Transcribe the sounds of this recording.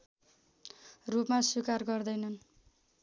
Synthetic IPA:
rupmaswikarɡʌrd̪ʌjnʌn

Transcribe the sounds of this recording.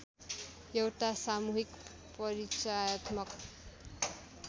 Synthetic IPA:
jewʈasamuɦik | pʌɾit͡sajʌt̪mʌk

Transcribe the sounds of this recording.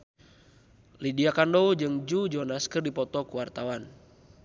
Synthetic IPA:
lidiakandɔwd͡ʒɨŋd͡ʒud͡ʒɔnaskɨrdipɔt̪ɔkuwart̪awan

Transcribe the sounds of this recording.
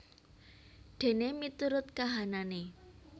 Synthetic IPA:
ɖ̪̥e̤nemit̪uɾʊt̪̚kaɦanane

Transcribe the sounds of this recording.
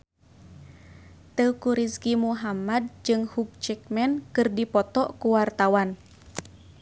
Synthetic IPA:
t̪əwkuɾiskimuɦamad̚d͡ʒɨŋhuk̚t͡ʃɛk̚mɛnkɨrdipɔt̪ɔkuwart̪awan

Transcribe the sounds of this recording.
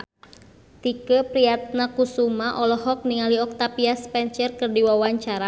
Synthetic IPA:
t̪ikəpɾiat̪̚nakusumaʔɔlɔɦɔk̚niŋaliɔk̚t̪apiaspɛnt͡ʃərkərdiwawaɲt͡ʃaɾa

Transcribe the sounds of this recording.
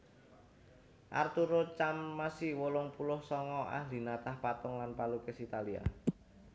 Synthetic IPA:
ʔa̰rt̪uɾot͡ʃamːasiwolʊŋpulʊhsɔŋɔa̰hd̪i̤nat̪ahpat̪ʊŋlanpalukɪsit̪alia̰

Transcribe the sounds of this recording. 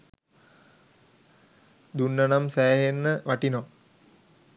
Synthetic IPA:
d̪unːanamsæːɦenːəʋaʈinɔ

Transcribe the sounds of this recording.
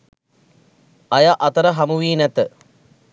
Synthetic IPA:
ɐjaʔɐt̪əɾəɦamuʋiːnæt̪ə

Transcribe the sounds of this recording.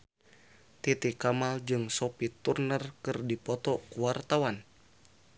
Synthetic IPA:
t̪it̪ikamald͡ʒɨŋsɔpit̪urnərkɨrdipɔt̪ɔkuwart̪awan

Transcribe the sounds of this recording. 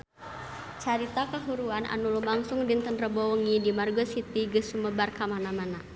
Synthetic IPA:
t͡ʃaɾit̪akəɦuɾuanʔa̰nulumlaŋsʊŋdɪŋt̪ənrəbɔwəŋidimarɡɔsit̪iɡəsuməbarkamanamana

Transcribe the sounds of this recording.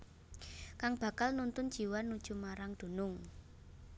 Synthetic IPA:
kaŋb̥ä̤kalnunt̪ʊnd̥d͡ʒ̥i̤wanːud̥ʒ̥ṳmaɾaŋd̪̥o̤nʊŋ

